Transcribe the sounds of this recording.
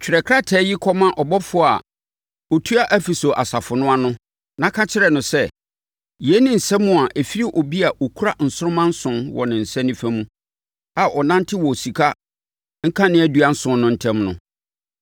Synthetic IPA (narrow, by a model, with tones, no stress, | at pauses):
t͡ɕʰᶣɪ˨ɾɛ˨kʰɾa˦tʰɛː˦jɪ˦kʰɔ˦mã˦ʔɔ˨bɔ˦fʊ˦a̰˨ | ɔ˨tʰu˦a˦ʔæ˦fi˨sɔ˨ʔa˨sa˨fʊ˨nʊ̃˦a˦nʊ̃˦ | nã˦kʰã˦t͡ɕʰɪ˦ɾɛ˨nʊ̃˨sɛ˦ | jɛ˨˦nɪ̃˦n̩˨sɛ̃˦mʊ̃˦˨a˨ʔe˨fi˦ɾi˦ʔɔ˨bi˦a˨ʔɔ˨kʰu˦a˦n̩˨sʊ˦ɾʊ̃˦mã˦n̩˦sʊ̃˦nwɔ̰˨nɪ̃˨n̩˨sɛ̃˦nɪ̃˦fæ˦mũ˦ | a˨ʔɔ˨nã˦n˦tʰɪ˦wɔ˨si˨kʰa˦ | ŋ̩˦kʰã˦nɪ̃˦æ˦du˨a˦n̩˦sʊ̃˦nːʊ̃˦n̩˦tʰɛ̃˦mnʊ̰̃˨